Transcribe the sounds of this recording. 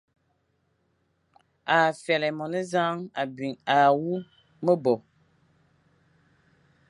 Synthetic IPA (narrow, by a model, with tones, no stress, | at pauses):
a˨fjɛ˨lɛ˨mɔ˨nə˦za˦ŋa˨bɥi˨ŋa˨wu˦ | mə˦bɔ˨